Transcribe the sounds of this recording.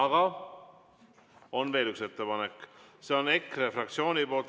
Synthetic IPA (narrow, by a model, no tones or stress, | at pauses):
ɑɡɑ | onveːlykset̪ːəpɑnekːseonekːɾefɾɑk̚t̪sjoːniboːlt̪